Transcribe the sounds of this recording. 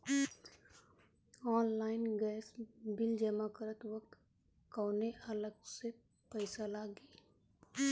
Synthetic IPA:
ɔːnlaːɪnɡɛːsbɪld͡ʒəmakəɾət̪wəkt̪ | kɔːneʔələɡse | pəɪsalaːɡiː

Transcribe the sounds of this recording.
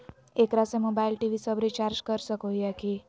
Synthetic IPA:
ekɾasemobailʈiʋisəbɾit͡ʃaɾd͡ʒkəɾʃəkojakʰi

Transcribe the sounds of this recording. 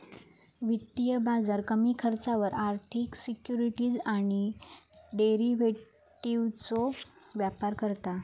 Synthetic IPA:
ʋit̪ːijəbad͡zaɾkəmiːkʰəɾt͡saʋəɾaɾt̪ʰiksikjuɾiʈiːd͡zaɽ̃i | ɖeɾiʋe | ʈiʋt͡soʋjapaɾkəɾt̪a

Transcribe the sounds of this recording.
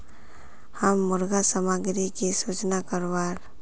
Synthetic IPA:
həmːʊɾɡasəmaɡɾikisut͡ʃnakəɾwaːɾ

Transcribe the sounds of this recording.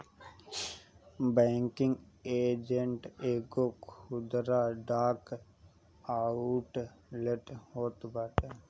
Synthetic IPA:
baŋkiŋɡeːd͡ʒeɳʈeɡokhud̪ɾaɖaːk | auʈleʈhot̪baʈə

